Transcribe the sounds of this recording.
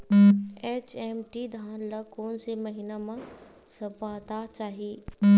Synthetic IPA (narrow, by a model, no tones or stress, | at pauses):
eːt͡ɕeːmʈid̪ʱaːnlɐkoːnsemɐɦinamã | sɐpaːt̪at͡ɕaːɦiː